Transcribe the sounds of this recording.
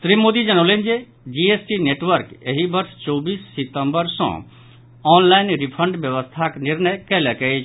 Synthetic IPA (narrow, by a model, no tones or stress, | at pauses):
t̪ɾimːoːd̪id͡ʒəñolẽnd͡ʒe | d͡ʒiesʈineʈʋəɾkeɦibəɾst͡ʃɔːbiːsːit̪ə̃mbəɾsɔ̰̃ | ɔːnlaɪnɾipʰəɳɖbjəʋəst̪ʰakniɾnəjkɛlɛkəet͡ʃʰ